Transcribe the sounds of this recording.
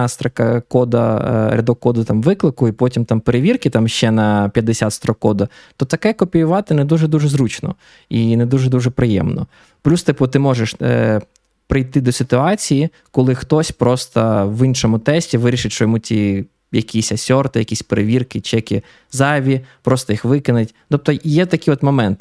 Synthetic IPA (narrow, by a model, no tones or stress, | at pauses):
st̪ɾɐkɐkɔd̪ɐ̰ɾʲɐd̪ɔkːɔd̪ʊt̪ɑmʋɪklˠɪkʊipɔtʲimt̪ɑmpeɾeʋʲirkɪt̪ɑmʃt͡ʃɛnɐpʲjɐd̪esʲat̪st̪ɾɔkːɔd̪ɐ | t̪ɔt̪ɐkɛkɔpʲijʊʋɑt̪ɪnɛd̪uʒɛd̪uʒɛzɾut͡ʃnɔ̰ | ined̪uʒɛd̪uʒɛpɾɪjɛ̰mnɔ̰ | plʲust̪ɪpɔt̪ɪmɔʒɛʃ | pɾɪjt̪ɪd̪ɔsʲɪt̪ʊɑt͡sʲiji | kɔlˠɪxt̪ɔsʲpɾɔst̪ɐʋinʃɔmʊt̪ɛsʲtʲiʋɪɾʲiʃɪtʲʃt͡ʃɔjɔmutʲi | jɐkʲisʲɐsʲɔrt̪ɪjɐkʲisʲpeɾeʋʲirkɪt͡ʃɛkʲi | zɑʋʲipɾɔst̪ɐjixʋɪkɪnɪtʲt̪ɔp̚t̪ɔjɛt̪ɐkʲiɔt̪mɔmɛnt̪ɪ